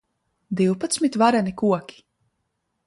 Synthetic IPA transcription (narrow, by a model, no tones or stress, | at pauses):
d̪iwpat̪smit̪vaɾanikuɔkʲi̥